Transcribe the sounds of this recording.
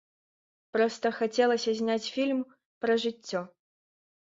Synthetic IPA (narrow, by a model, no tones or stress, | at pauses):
pɾɔst̪ɐxat͡sʲɛlˠɐsʲɐzʲnʲat͡sʲfʲilʲm | pɾɐʐɨt͡sʲːɔ